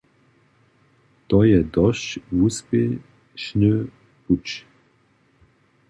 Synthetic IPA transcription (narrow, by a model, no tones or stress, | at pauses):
t̪ɔjɛd̪ɔʃvuspe | ʃnø | put͡ʃ